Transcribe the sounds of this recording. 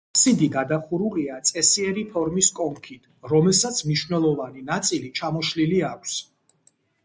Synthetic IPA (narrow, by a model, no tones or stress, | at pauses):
psid̪iɡad̪aχuɾuliat̪sʼɛsiɛɾipʰɔɾmiskʼɔŋkʰit̪ʰɾɔmɛlˠsat̪sʰmniʃvnɛlˠɔvaninat̪sʼilit͡ʃʰamɔʃliliakʷʰs